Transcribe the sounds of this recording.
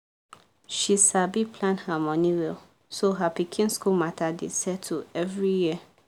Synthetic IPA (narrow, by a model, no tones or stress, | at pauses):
ʃisabipʰlãnhamɔ̃nĩwɛl | soɦapikʰĩnskulmatʰadḛsɛtʰuɛvɹijiə